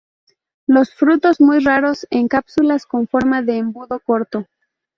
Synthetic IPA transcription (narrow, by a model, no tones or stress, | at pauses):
lo̞sfɾut̪o̞zmujraɾo̞seŋkapsulasko̞ɱfo̞ɾmaðe̞ːmbuðo̞ko̞ɾt̪o̞